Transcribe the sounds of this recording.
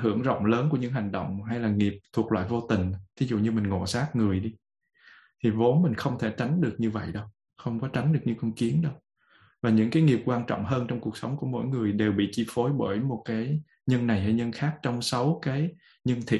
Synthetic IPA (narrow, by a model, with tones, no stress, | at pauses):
ɦɨ˧˩əŋzə̰˧˨wŋ͡mləː˨˦nku˧˩əɲɨ̰˧˥ŋɦa˨˩jŋ̟ɗo̰˧˨wŋ͡mɦa˧jlaː˨˩ŋi˨˩əp̚t̪ʰu˨˩ək̚lwa̰ː˧˨jvo˧t̪ï˨˩ŋ̟t̪ʰi˨˦zṵ˧˨ɲɨ˧mï˨˩ŋ̟ŋo̰˧˨˩saː˦˥t̚ŋɨ˨˩əjɗi˧ | t̪ʰi˨˩vo˨˦nmï˨˩ŋ̟xə˧wŋ͡mt̪ʰe˧˩t͡ɕa˨˦jŋ̟ɗɨ˨˩ək̚ɲɨ˧və̰˧˨jɗə˨˧w | xə˧wŋ͡mkɔ˨˦t͡ɕa˨˦jŋ̟ɗɨ˨˩ək̚ɲɨ̰˧˥kɔ˧ŋ͡mki˨˦ənɗə˧w | vaː˨˩ɲɨ̰˧˥ŋkaː˨˦jŋi˨˩p̚kwaː˧nt͡ɕɔ̰˧˨wŋ͡mɦəː˧nt͡ɕɔ˧wŋ͡mku˨˩ək̚sə˨˦ŋ͡mku˧˩əmo̰˧˥jŋɨ˨˩əjɗe˨˩wɓḭ˧˨t͡ɕi˧fo˨˦jɓəː˧˩jmo˨˩t̚kaː˨˦j | ɲə˧nna˨˩jha˧˩jɲə˧nxaː˦˥k̚t͡ɕɔ˧wŋ͡msə˨˦wkaː˨˦j | ɲə˧nt̪ʰḭ˧˨